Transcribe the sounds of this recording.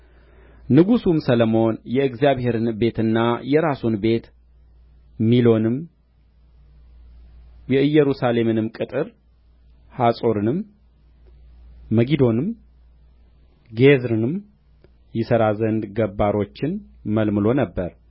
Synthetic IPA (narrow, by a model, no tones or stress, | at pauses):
nɨɡusumsələmo̞njɛɨɡzjaβhe̞ɾɨnbe̞t̪ɨnːajɛɾasunbe̞t̪ | milo̞nɨm | jɛɨjːɛɾusale̞mɨnɨmkʼɨt̪ʼɨɾ | hasʼo̞ɾɨnɨm | əɡid̪o̞nɨm | ɡezɾɨnɨm | jɪsəɾazənd̪ɡəbːaɾo̞t͡ʃːɪnməlmɨlo̞nəbːəɾ